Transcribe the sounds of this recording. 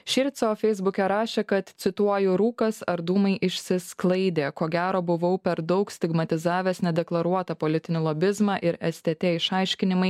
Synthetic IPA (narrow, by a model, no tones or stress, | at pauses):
ʃʲɪɾʲt̪sʲoːfʲɛɪzbʊkʲɛɾɑːʃʲeːkɐt̪t̪sʲɪt̪uɔjʊɾuːkɐsɐɾd̪uːmɐɪʔɪʃʲsʲɪsklˠɐɪd̪ʲeːkoːɡʲæːɾoːbʊʋɐʊpʲɛɾd̪ɒʊksʲt̪ʲɪɡmɐt̪ʲɪzɑːʋʲeːsnʲɛd̪ʲɛklˠɐɾuɔt̪ɐpolʲɪt̪ʲɪnʲɪlˠobʲɪzmɑːʔɪɾɛsʲt̪ʲɛt̪ʲeɪʃɑˑɪʃʲkʲɪnʲɪmɐɪ